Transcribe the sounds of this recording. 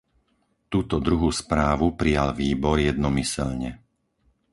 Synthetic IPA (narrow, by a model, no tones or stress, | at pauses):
t̪uːt̪ɔd̪ɾuɦuːspɾaːʋupɾijalʋiːbɔɾjɛd̪nɔmisɛ̰lɲɛ